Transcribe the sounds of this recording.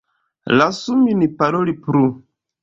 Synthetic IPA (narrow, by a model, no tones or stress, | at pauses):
lasuminipaɾolipɾu